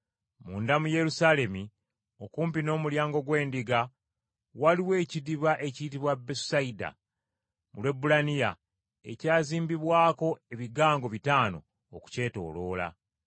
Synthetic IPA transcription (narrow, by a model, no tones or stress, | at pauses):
muːndamuje̞ɾusale̞mi | o̞kuːmpino̞ːmuljaːŋɡo̞ɡwe̞ːndiɡa | waliwe̞ːcidiβaʔe̞ciːt̬iβwabesaida̰ | mṵlwe̞bulanija̰ | e̞̰caːziːmbiβwaːko̞e̞βiɡaːŋɡo̞βitaːno̞̰ː | ku̥ce̞ːto̞̰ːlo̞ːla̰